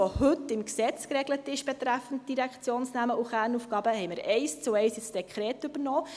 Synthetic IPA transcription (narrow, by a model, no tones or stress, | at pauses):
ohʏtːɪmksɛt͡skɾɛɡlətɪʃb̥ɛt̪ɾæfn̩t̚d̥iɾækt͡sjoːnsnæməʔuχæːɾnufɡ̥ɑːbəɦɛɪməɾɛɪst͡suɛɪsjɪt͡sd̥ɛkʰɾɛːtʏb̥əɾnɔː